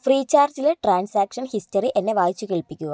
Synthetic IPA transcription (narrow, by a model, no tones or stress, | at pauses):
friːt͡ɕːaːrd͡ʑilʈraːnsaːkʂɐnhistɐriʔe̞nːe̞ʋaːjit͡ɕːukeɭpikʲːuɣɐ